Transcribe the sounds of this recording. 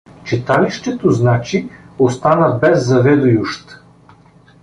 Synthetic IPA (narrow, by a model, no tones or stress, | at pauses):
t͡ʃit̪aliʃt̪ɛt̪oznat͡ʃiost̪anəbɛzːɐvɛd̪ʊjuʃt̪